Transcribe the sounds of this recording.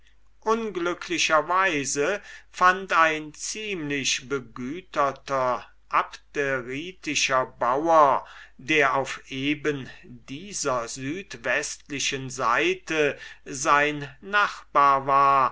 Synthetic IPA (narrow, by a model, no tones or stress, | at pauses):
ʔʊnɡlʏkʰlɪʃɐvaɪzəfantaɪnt͡siːmlɪʃbəɡyːtɐtɐ | ʔapteʁiːtɪʃɐbawɐdeːɐaʊfʔeːbəndiːzɐzyːtvɛstlɪʃənzaɪtəzaɪnːaχb̥aːɐvaːɐ